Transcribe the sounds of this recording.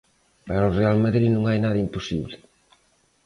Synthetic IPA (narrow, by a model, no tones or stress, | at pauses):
paɾʊrealmaðɾinũŋajnaðɐimpusḭβlɪ